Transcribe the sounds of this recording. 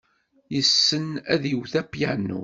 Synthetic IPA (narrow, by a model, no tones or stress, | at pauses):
jəsːənæðjəwθæpːjænːṵ